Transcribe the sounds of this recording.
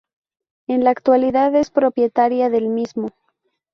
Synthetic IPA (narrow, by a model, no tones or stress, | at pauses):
enlaːkt̪waliðaðe̞spɾo̞pje̞t̪aɾjaðe̞lmizmo